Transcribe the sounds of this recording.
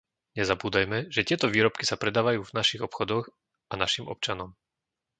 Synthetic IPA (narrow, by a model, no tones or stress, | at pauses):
ɲɛzabuːd̪ajmɛʒɛc̪ɪɛt̪ɔʋiːɾɔpkisapɾɛd̪aːʋajuːvnaʃiɣɔpxɔd̪ɔɣ | anaʃimɔ̰p̚t͡ʃanɔm